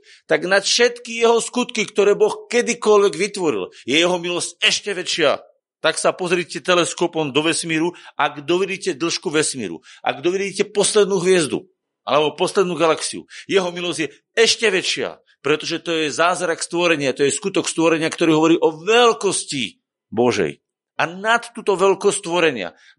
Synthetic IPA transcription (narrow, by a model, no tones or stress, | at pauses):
t̪aɡnat̪fʃɛt̪kijɛɦɔskut̪kikt̪ɔɾɛːbɔxkɛd̪ikɔlʋɛɡʋit̪ʋɔɾḭljɛjɛɦɔmilɔscɛʃcɛʋɛt͡ʃɪa̰ | t̪aksapɔzɾiːcɛt̪ɛlɛskɔpɔmd̪ɔʋɛsmiːɾuaɡd̪ɔʋɛdiːcɛd̪l̩ʃkuʋɛsmḭːɾṵʔa̰ɡd̪ɔʋidiːcɛpɔslɛd̪nuːɦʋɪɛzd̪ṵ | ʔa̰lɛbɔpɔslɛd̪nuːɡalaksiṵjɛɦɔmilɔzɟjɛ | ɛʃcɛʋɛt͡ʃɪa̰ | pɾɛt̪ɔʒɛt̪ɔjɛzaːzɾakst̪ʋɔɾɛɲɪat̪ɔjɛskut̪ɔkst̪ʋɔɾɛɲɪakt̪ɔɾiːɦɔʋɔɾiːʔɔʋɛlkɔsci | bɔʒɛ̰j | anat̪ːuːt̪ɔʋɛlkɔst̪ʋɔɾɛɲɪa̰